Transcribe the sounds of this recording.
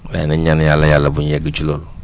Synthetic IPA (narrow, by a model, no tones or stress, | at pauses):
bɛ̰niɲanjalːajalabuɲjɛɡit͡ʃulol